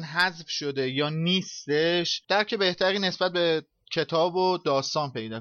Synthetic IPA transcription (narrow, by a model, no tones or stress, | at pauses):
nɦæzfʃo̞d̪e̞jɒːniːst̪eʃd̪̥æɾcʰe̞be̞ht̪ʰæɾiːne̞sbæt̪̚be | cʰe̞t̪ʰɒːbod̪ɒːst̪ɒːnpe̞jd̪ɒː